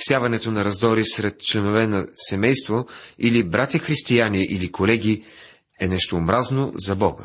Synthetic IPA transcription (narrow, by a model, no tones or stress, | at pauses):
fsʲjavɐnɛt̪onɐɾɐzd̪ɔɾisɾɛt̪̚t͡ʃlɛnovɛnɐsɛmɛjst̪voilibɾat̪ʲəxɾist̪ijaniʔilikolɛɡʲi | ɛnɛʃt̪oːmɾazno̰zɐbɔɡə̰